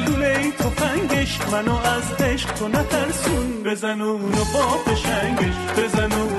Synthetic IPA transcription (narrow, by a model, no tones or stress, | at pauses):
d̪ulejt̪ʰofæŋɡeʃmanɔazd̪eʃqt̪ʰonat̪ʰæɾsunbezænuunɔbɔfeʃæŋɡeʃbezanu